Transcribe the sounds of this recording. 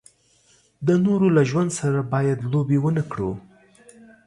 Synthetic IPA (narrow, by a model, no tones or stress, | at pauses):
d̪ənoɾolaʒwand̪saɾabɑjad̪lobewənakɽṵ